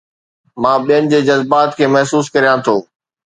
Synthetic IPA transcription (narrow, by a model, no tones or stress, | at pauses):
mãːɓijənɪ̆d͡ʑeːd͡ʑɐzbaːt̪kʰeːmɐɦsuːskɐɾijãt̪ʰoː